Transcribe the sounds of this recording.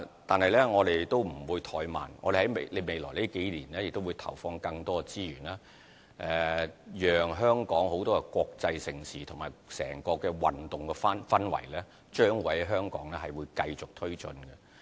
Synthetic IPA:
t̪aː˨nhɐ˨jlɛ˥ŋɔː˨˧d̪e˨jt̪o˥wm̩˨˩wuː˨˧jt̪ʰɔː˧jma̰ː˨nŋɔː˧de˨˩hɐ˨˥jme˨le˨˧me˨˧jlɔː˨˩jliː˥ke˨˥jliː˨˩nlɛː˥jɪ˨k̚t̪o˥wuː˨˧jt̪ʰɐ˨˩wfɔː˧ŋkɐ˧ŋt̪ɔː˥˧t͡siː˥jyː˨˩naː˦˥ | ʔɛ˨jœː˨ŋɦœː˥ŋkɔː˨˥ŋho˨˥wt̪ɔː˥kɛ˧kʷɔː˧k̚t͡sɐ˧jsɪ˨˩ŋsiː˨t̪ʰʊ˨˩maː˨˩jsɛ̰ː˨˩ŋkɔː˧kɛː˧wɐ˨nt̪ʊ˨ŋkɛ˧fa˥nfɐ˥nwɐ̰˨˩jlɛː˥ | t͡ʃœː˥ŋwɐ˨˥jɦœː˥ŋkɔ̰ː˨˥ŋlɛː˥ɦɐ˨jwuː˨˧jkɐ˧jt͡sʊ˨k̚t̪ʰɵ˥ɥt͡ʃɵ˧nkɡɛ˧

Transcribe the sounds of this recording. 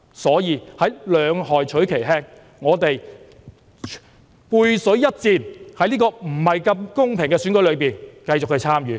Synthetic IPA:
sɔː˨˥jiː˨˧hɐ˨˥jlœː˨˧ŋhɔː˨˩jt͡ʃʰɵ˨˥ɥkʰe˨˩jɦɛː˥ŋ | ŋɔː˨˧t̪e˨j | puː˧jsɵ˨˥ɥjɐ˥t̚t͡siː˧nhɐ˨˥jniː˥kɔː˧m̩˨˩hɐ˨jkɐ˧mkʊ˥ŋpʰɪ˨˩ŋkɛː˧syː˨˥nkɵ˨˥lɵ˨˧piː˨˩nkɐ˧jt͡sʊ˨k̚hʰɵ˧jt͡sʰaː˥mjyː˨˦

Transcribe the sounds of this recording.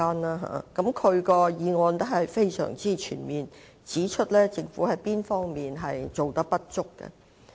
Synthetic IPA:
aː˥nlaː˥ɦa̰ː˨˩kɐ˨˥mkʰɵ˨˧ɥkɔː˧jiː˨˧ŋɔː˨˧nt̪o˥ɦɐ˨jfe˥jsœ̰ː˨˩ŋt͡siː˥t͡ʃʰy̰ː˨˩nmiː˨n | t͡siː˨˥t͡ʃʰɵ˥t̚lɛː˥t͡sɪ˨ŋfṵː˨˥hɐ˨˥jpiː˥nfɔː˥ŋmiː˨nɦɐ˨jt͡so˨wt̪ɐ˥k̚pɐ˥t̚t͡ʃʊ˥kːɛ̰˧

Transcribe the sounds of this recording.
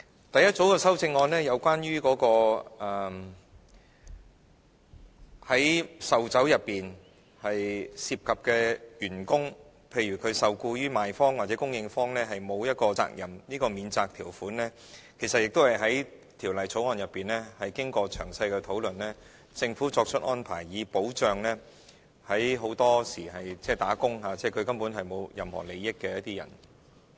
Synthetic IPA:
t̪ɐ˨jɐ˥t̚t͡so˨˥wkɛː˧sɐ˥wt͡sɪ˧ŋːɔː˧nɛː˥jɐ˨˧wkwaː˥nɥyː˥kɔː˨˧˥kɔː˧ɛː˨˩ | hɐ˨˥jsɐ˨wt͡sɐ˨˥wjɐ˨pːiː˨n | hɐ˨jsiː˧p̚kʰɐ˨p̚kɛː˧jyː˨˩nkʊ˥ŋ | pʰe˧jɥyː˨˩kʰɵ˨˧ɥsɐ˨wkuː˧jyː˥maː˨jfɔː˥ŋwaː˨t̚t͡sɛː˨˥kʊ˥ŋjɪ˧ŋfɔː˥ŋlɛː˥ɦɐ˨jmo˨˧wjɐ˥t̚kɔː˧t͡sa̰ː˧k̚jɐ˨˩mniː˥kɔː˧miː˨˧nt͡saː˧k̚t̪ʰiː˨˩wfuː˨˥nlɛː˥ | kʰe˨˩jsɐ˨t̚jɪ˨k̚t̪o˥whɐ˨jɦɐ˨˥j | t̪ʰiː˨˩wlɐ˨jt͡sʰo˨˥wɔː˨˧njɐ˨pːiː˨nlɛː˥hɐ˨jkɪ˥ŋkɔː˧t͡ʃʰœ̰ː˨˩ŋsɐ˧jkɛ˧t̪ʰo˨˥wlɵ˨nlɛː˥ | t͡sɪ˧ŋfuː˨˥t͡sɔː˧k̚t͡ʃʰɵ˥t̚ʔɔː˥npʰa̰ː˨˩jːiː˨˧po˨˥wt͡ʃœː˨ŋlɛː˥ | hɐ˨˥jɦo˨˥wt̪ɔː˥siː˨˩ɦɐ˨jt͡sɛː˥˩t̪aː˨˥kʊ˥ŋɦaː˨˧t͡sɛː˥˩kʰɵ˨˧ɥkɐ˥mpuː˨˥nɦɐ˨jmo˨˧wjɐ˨mhɔ̰˨˩le˨˧jːɪ˥kːɛː˧jɐ˥t̪̚iː˥jɐ̰˨˩n

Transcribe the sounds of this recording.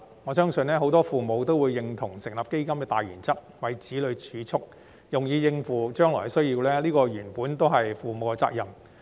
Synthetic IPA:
ŋɔː˨˧sœː˥ŋsɵ˧nlɛː˥ɦo˨˥wt̪ɔː˥fuː˨˩mo˨˧wt̪o˥wuː˨˧jːɪ˨ŋt̪ʰʊ˨˩ŋsɪ˨˩ŋlɐː˨˩p̚ke˥jkɐ˥mkɛː˧t̪aː˨jy̰ː˨˩nt͡sʰɐ˥k̚wɐ˨˧jt͡siː˨˥lɵ˨˧ɥt͡ʃʰyː˨˥t͡sʰʊ˥k̚ | jʊ˨ŋjiː˨˧jɪ˧ŋfuː˨˩t͡ʃœː˥ŋlɔ̰ː˨˩˨sɵ˥ɥjiː˧wlɛː˥liː˥kɔː˧jyː˨˩npuː˨˥nt̪o˥wɦɐ˨jfuː˨mo˨˧wɛ˧t͡sa̰ː˧k̚jɐ˨m

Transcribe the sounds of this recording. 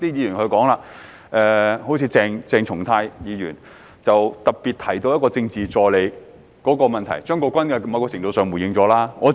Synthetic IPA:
t̪iː˥jiː˨˧jyː˨˩nhɵ˧kɔː˨˥ŋlaː˧ | ʔɛː˧ho˨˥wt͡sʰiː˨˥t͡sɛː˧ŋt͡sɛː˧ŋt͡ʃʰʊ˨˩ŋt̪ʰaː˧jjiː˨˧jyː˨˩n | t͡sɐ˨wt̪ɐ˨k̚piː˨˩t̚t̪ʰɐ˨˩jt̪o˧wjɐ˥t̚kɔː˧t͡sɪ˧ŋt͡siː˨t͡sɔː˨jle˨˧j | kɔː˨˥kɔː˧mɐ˨nt̪ʰɐ̰˨˩jt͡ʃœː˥ŋkɔː˧kʷɐ˥nkɛ˧mɐ˨˧kɔː˧kt͡sʰɪ˨˩ŋt̪o˧wsœː˨˩ŋwu˨˩jɪ˨˧ŋt͡sɔː˨˥laː˥ŋɔː˨˧

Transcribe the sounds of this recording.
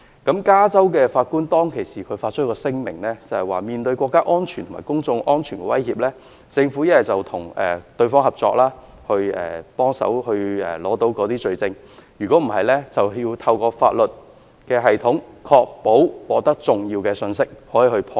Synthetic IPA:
kɐ˨˥mkaː˥t͡sɐ˥wkɛː˧faː˧t̚kuː˥nt̪ɔː˥ŋkʰe˨˩jsiː˨˩kʰɵ˨˧ɥfaː˧t̚t͡ʃʰɵ˥kɔː˧sɪ˥ŋmɪ̰˨˩ŋlɛː˥t͡sɐ˨˩hɐ˨jwaː˨˩miː˨nt̪ɵ˧ɥkʷɔː˧kːaː˥ʔɔː˥nt͡ʃʰyː˨˩t̪ʰmaː˨˩jkʊ˥ŋt͡sʊ˧ŋʔɔː˥nt͡ʃʰy˨˩nkɛ˧wɐ˥jhiː˧p̚lɛː˥ | t͡sɪ˧ŋfuː˨˥jɐ˥jɐ˨t͡sɐ˨wt̪ʰʊ˨˩ŋɛ̰ː˨t̪ɵ˧ɥfɔː˥ŋhɐ˨p̚t͡sɔː˧k̚laː˥ | hɵ˧ɥɛ̰ː˨pɔː˥ŋsɐ̰˨˥whɵ˧ɥɛ̰ː˨˩lɔː˨˥t̪o˨˥wkɔː˨˧˥t̪iː˥t͡ʃɵ˨˧ɥt͡sɪ˧ŋ | jyː˨˩kʷɔː˨˥m̩˨˩ɦɐ˨jlɛː˥t͡sɐ˨wji˧wt̪ʰɐ˧wkɔː˧fa̰ː˧t̚lɵ˨t̚ | kɛː˧ɦɐ˨jt̪ʰʊ˨˥ŋkʰɔː˧k̚po˨˥wwɔː˨˧t̪ɐ˥k̚t͡sʊ˨˩ŋjiː˧wkɛː˧sɵ˧nsɪ˥k̚hɔː˨˥jiː˨˩hɵ˧pʰɔː˧

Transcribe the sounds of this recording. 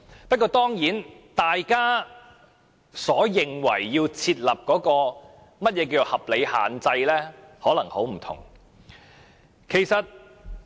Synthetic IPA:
pɐ˥t̚kɔː˧t̪ɔː˥ŋjiː˨˥nt̪aː˨jkaː˥ | sɔː˨˥jɪ˨ŋwɐ˨˩jːiː˧wt͡sʰiː˧t̚lɐ˨p̚kɔː˨˥kɔː˧ | mɐ˥t̚jɛː˨˧k̬iː˧wt͡so˨˩hɐ˨p̚le˨˧jha̰ː˨nt͡sɐ˧jlɛː˥hɔː˨˥lɐ˨˩ŋho˨˥wm̩˨˩t̪ʰʊ̰˨˩ŋ | kʰe˨˩jsɐ˨t̚

